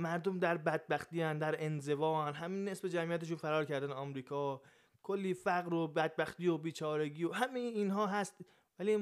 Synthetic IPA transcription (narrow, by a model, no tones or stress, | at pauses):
mæɾd̪omd̪æɾbæd̪̚bæxt̪iːænd̪æɾe̞nze̞vɒːnɦæminːe̞sbe̞d͡ʒæmijæt̪ʰeʃunfæɾɒːɾcæɾd̪ænɒmɾiːkʰɒː | kʰolːiːfæɣɾobæd̪̚bæxt̪iːobiːt͡ʃʰɒːɾe̞ɡiːoɦæmejiinɦɒːɦæst̪ | væliː